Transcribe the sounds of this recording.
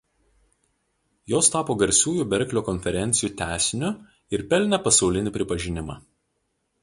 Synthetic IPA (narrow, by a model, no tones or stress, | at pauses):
joːst̪ɑːpoːɡɐɾʲsʲuːjuːbʲɛɾʲklʲoːkɔnʲfʲɛɾʲɛnʲt̪sʲɪjuːt̪ʲæˑːsʲɪnʲʊ | ɪɾpʲɛlʲnʲɛpɐsɒʊlʲɪnʲɪˑpʲɾʲɪpɐʒʲɪnʲɪmɑ̰ː